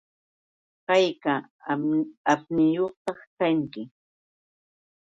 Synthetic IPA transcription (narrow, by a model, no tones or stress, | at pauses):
kajka | apnɪjoχt̪ɑχkaŋkɪ